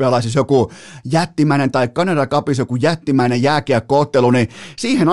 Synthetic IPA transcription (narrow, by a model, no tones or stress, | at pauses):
eɑlɑisisjokujæt̪ːimæinent̪ɑikkɑnerɑkɑpisjokujæt̪ːimæinejjæːkeækkoːt̪ːelunisiːhen